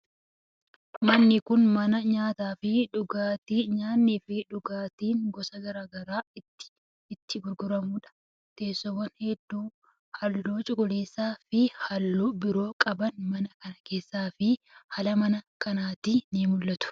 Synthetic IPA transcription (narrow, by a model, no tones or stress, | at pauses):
mɐnːɪkʊnmɐnɐɲaːt̪aːfɪᶑʊɡaːt̪iːɲaːnːiːfɪᶑʊɡaːt̪iːŋɡɔsɐɡɐɾaːɡɐɾaːɪt̪ːɪ̥ː | t̪ːɪɡʊɾɡʊɾɐmuːᶑɐ̥ | t̪e̞ːsːɔwːɐnhɛd̪ːuː | hɐlːoːt͡ʃʼʊkʼʊleːsːaːfɪhɐlːoːbɪɾo̞ːkʼɐbɐnmɐnɐkɐnɐke̞ːsːaːfɪ | hɐlɐmɐnɐkɐnaːt̪iniːmʊlːɐt̪ʊ̥